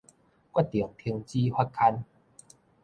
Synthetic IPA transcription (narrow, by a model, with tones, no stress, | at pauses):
kwa˥˩t̚t̪i˨˩əŋt̪ʰi˧əŋt͡ɕi˦hwa˦˧t̚kʰa˧n